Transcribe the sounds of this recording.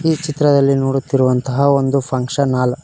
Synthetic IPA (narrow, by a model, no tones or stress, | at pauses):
iːt͡ʃit̪ɾɐd̪ɐlːinoːɽut̪ːiɾuʋɐnt̪ɐɦɐo̞nd̪upʰɐŋkʂɐnːaːl